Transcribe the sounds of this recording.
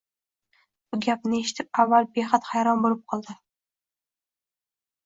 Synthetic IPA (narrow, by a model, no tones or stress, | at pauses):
b̥ʊɡʲap̚nɪe̞ʃɪ̥t̪ʰɪp̚avːalbeχat̪hajɾɒnbolɪp̚qʰɒlˠd̪ɪ